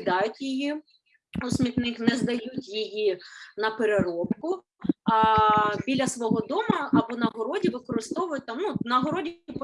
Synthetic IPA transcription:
d̪ɑjʊtʲjiji | ɔsʲmʲit̪nɪxnɛzd̪ɐjutʲjɪjinɐpeɾeɾɔpkʊ | bʲilʲːɐsʋɔɦɔd̪ɔmɐɐbɔnɐɦɔɾɔdʲiʋɪkɔɾɪst̪ɔʋʊjʊt̚ʲt̪ɑmnunɐɦɔɾɔdʲip

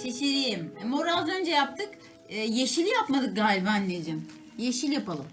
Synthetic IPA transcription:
t͡ʃʰeʃeɾijimmoɾazø̞nd͡ʒɛjap̚t̪ʰɯkː | jeʃilʲjapmad̪ɯk̚ɡaːlʲibanlʲejd͡ʒim | jeʃilʲjapalˠɯm

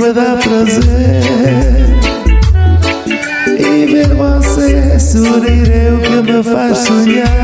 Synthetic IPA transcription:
məðapɾɐzeɾɾɾɾɾ | iveɾvɔsesuɾiɾewkɨməfaʃsoɲa

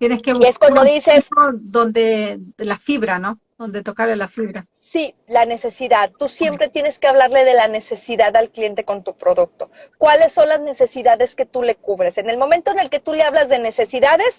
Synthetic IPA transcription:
t̪jeneskeieskond̪oðisesod̪ond̪elafiβɾano | ðo̞nd̪et̪okaɾlelafiβɾa | si | lane̞se̞siðaðt̪usje̞mpɾe̞t̪je̞ne̞skeaβ̞laɾle̞ð̞e̞lane̞se̞siðaðalkljent̪e̞ko̞nt̪upɾo̞ðuk̚t̪o̞kwale̞sːo̞nlazne̞se̞siðaðe̞ske̞t̪ule̞kuβɾe̞se̞ne̞lmo̞mẽ̞nt̪oene̞lke̞t̪ule̞aβlazðe̞ne̞se̞siðaðe̞s

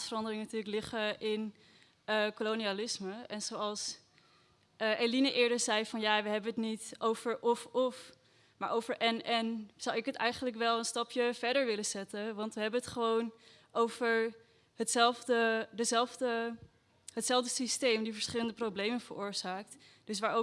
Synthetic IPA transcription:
sfərɑndərɪŋnatyːləklɪχəʔɪn | əkolonialɪsməɛnzowɑlˠs | əʔelinəʔɪːɹdəɹzɛjfɑnjaːʋəɦɛbənətnitowvəɹʔɔfɔf | maːɹʔowvəɹʔɛnɛnz̥ʌwɪkɦətɛ̰jχənlək̬ʋɛlˠənstɑpjəvɛɹdəɹʋɪləzɛtəʋɑntʋəɦɛbənɦətχəʋown | ʔowvəɹ | ɦətsɛlˠvdədəzɛlˠvdə | ɦətsɛlˠvdəsistejmdifəɹsχɪləndəprowblejmənvəɹʊːɹz̥aːk̚t | d̥ɵs̬ʋaːɹo

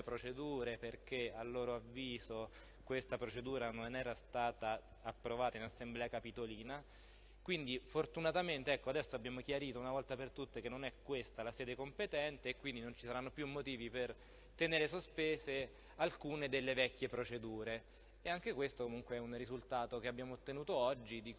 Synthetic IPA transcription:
epɾot͡ʃed̪uːɾeperkealːoːɾoavːiːzo | kwest̪apɾot͡ʃed̪uːɾanonɛːɾast̪aːt̪aː | pːɾovaːt̪ainasːemblɛːakapit̪oliːna | kwind̪ifort̪unat̪ament̪eɛkːoad̪ɛsːoabːjaːmokjaɾiːt̪ounavɔlt̪apert̪ut̪ːekenːonɛkːwest̪alasɛːd̪ekompet̪ɛnt̪eːkːwind̪inont͡ʃi̥saɾanːopjumːot̪iːviper | t̪eneːɾesospeːze | alkuːned̪elːevɛkːjepɾot͡ʃed̪uːɾe | eaŋk̟ekwest̪okomuŋkweɛunrizult̪aːt̪okeabːjaːmoot̪ːenuːt̪oɔd͡ʒːid̪ik

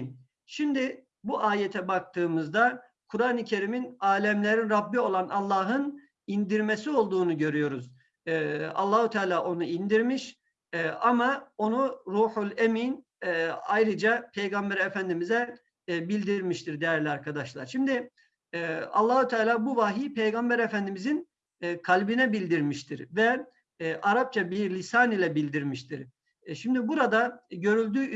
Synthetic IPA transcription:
n | ʃimd̪ɪ | buʔaːjet̪ʰɛbak̚t̪ʰɯːmɯzd̪a | kʰuɾaːnɯcʰe̞ɾiminaːlʲɛmlʲe̞ɾinɾabːio̞lˠanʔɑlˠːaːɦɯn | ind̪iɾme̞sio̞lˠd̪uːnuɟø̞ɾyjo̞ɾuz | ɑ̰lˠːaːhut̪ʰaːlʲaːʔo̞nuind̪iɾmiʃ | ɛʔamao̞nuɾuːħulʲeminː | ajɾɯd͡ʒapʰe̞jɡambæɾefænd̪imizɛ | bilʲd̪iɾmiʃt̪ʰiɾd̪ejæɾlʲiaɾkʰad̪aʃlˠaɾʃimd̪ɪ | ɑ̰lˠːaːhut̪ʰaːlʲaːbuvaːɦiːpʰe̞jɡambæɾefænd̪imizinː | kʰalʲbinɛbilʲd̪iɾmiʃt̪ʰiɾvɛ | ʔaɾap̚t͡ʃʰabiɾlʲisaːnilʲɛbilʲd̪iɾmiʃt̪ʰiɾ | ʃimd̪ibuɾad̪aɟø̞ɾylʲd̪yː

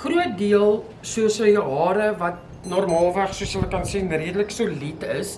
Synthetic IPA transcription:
χruət̚diəlˠ | suəsəjɦɑːɾəvɐt̚ | nɔrmɑːlˠvæχsuəsɦələkɐnsinriədələksulitəs

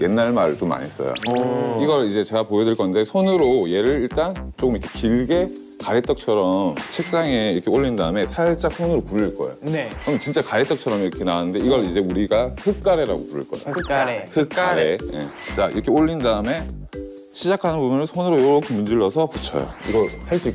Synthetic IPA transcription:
je̞nːaɭmaɾɯɭt͈oma̰ɲis͈ʌ̰jo̰iɡʌɾid͡ʑe̞t͡ɕe̞ɡapojʌdɯɭk͈ʌnde̞sʰonɯɾoje̞ɾɯɾiɭt͈ant͡ɕ͈ok͈ɯmiʌkʰe̞kiɭɡe̞ | kaɾet͈ʌk̚t͡ɕʰʌɾʌmt͡ɕʰek̚s͈aŋeiɾʌkʰeoʎːindaɯme̞sʰaɭt͡ɕ͈ak̚sʰonɯɾopuɾːiɭk͈ʌ̰ejonekɯmɯt͡ɕint͡ɕ͈akaɾet͈ʌk̚t͡ɕʰʌɾʌmiɾʌkʰe̞naanɯnde̞iɡʌɭid͡ʑe̞uɾiɡahʰɯk͈aɾe̞ɾa̰ɡopuɾɯ̰ɭk͈ʌ̰ḛohʰɯk͈aɾeje̞̰t͡ɕ͈aʔḭɾkʰe̞oʎːindaɯme̞ | ɕʰid͡ʑakʰanɯnbubɯnɯnsʰonɯɾojoɾʌkʰemund͡ʑiɭːʌsʰʌput͡ɕʰʌ̰jo̰ḭɡʌhaɭs͈uik͈ː

